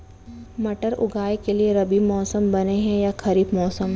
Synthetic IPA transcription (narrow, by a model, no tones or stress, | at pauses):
mɐʈəɾʊ̰ɡʱaːjkelieɾɐbimɔːsəmbɐneɦɛ̃jakʰɐɾiːbmɔːsəmɦ